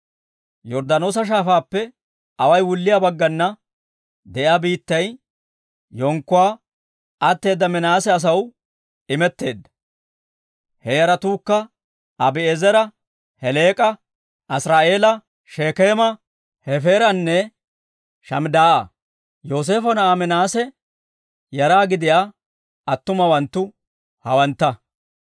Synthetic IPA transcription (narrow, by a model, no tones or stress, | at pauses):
jɔɾd̪ɐno̞ːs̬ɐʃ̬aːfaːpːɛ | ɐwɐjwʊlːɪjaːbɐɡːɐnːɐ | d̪ɛʔaːbiːt̪ːɐj | jɔŋkːʊwaː | ɐt̪ːe̞ːd̪ːɐmɪnaːsɛɐs̬ɐw | ɪmɛt̪ːe̞ːd̪ːɐ̥ | hɛjɐɾɐt̪uːkːɐ | ɐbɪezɛɾɐ | hɛle̞ːkʼɐ | ʔɐsɾaːʔe̞ːlɐ | ʃeːkeːmɐ | hɛfeːɾɐnːɛ | ʃɐmd̪aːʔɐ̰ | joːs̬e̞ːfɔnɐːmɪnaːsɛ | jɐɾaːɡɪd̪ɪjaː | ɐt̪ːʊmɐwɐnt̪ːʊ | hɐwɐnt̪ːɐ